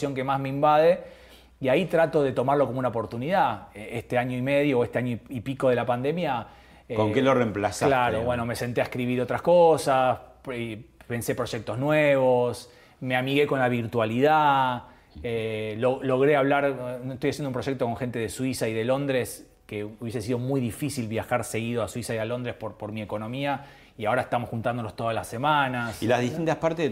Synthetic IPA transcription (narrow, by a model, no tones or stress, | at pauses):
jo̞ŋke̞mazmeimbaðe | iait̪ɾat̪o̞ðe̞t̪o̞maɾlo̞komunaopo̞ɾt̪uniðaeest̪eaɲoime̞ð̞jo̞oest̪eaɲoipiko̞ð̞e̞lapand̪e̞mja | ekoŋkeloremplasaklaɾoβwe̞nome̞se̞nt̪eaehkɾiβiɾo̞t̪ɾaskosasepe̞nse̞pɾo̞ʒek̚t̪o̞znweβos | me̞amiɣe̞ko̞nlaβiɾt̪waliða | elolo̞ɣɾeaβlaɾnoest̪ojasjend̪umpɾo̞ʒek̚t̪oko̞ŋxe̞nt̪eðeswisaiðe̞lo̞nd̪ɾes | keuβje̞se̞s̬ið̞o̞mujðifisilβjaxaɾse̞ɣið̞oaswisaialo̞nd̪ɾespoɾpo̞ɾmieko̞nõ̞mia | iao̞ɾaest̪amosxunt̪and̪olost̪o̞ðalasːemanasilaðist̪int̪aspaɾt̪e